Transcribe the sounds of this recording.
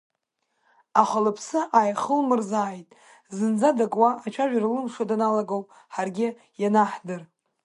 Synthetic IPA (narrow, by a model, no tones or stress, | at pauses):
aχʷalɨpʰsɨʔajχəlmɨrzaːjtʼ | zɨnd͡zadakʼwaat͡ʃʷʰaʒᶣarlɨmʂadanalaɡaowpʼ | ħarɡʲɪ | janaħdɨr